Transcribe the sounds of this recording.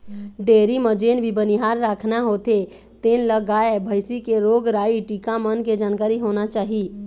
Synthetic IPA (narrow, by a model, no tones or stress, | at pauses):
ɖeːɾiməd͡ʒeːnbʱibəniɦaːɾɾaːkʰnaɦoːt̪e | t̪eːnləɡaːebʱəɪsikeɾoːɡɾaːiʈiːkamənked͡ʒaːnkaːɾiɦoːnat͡ʃaːɦi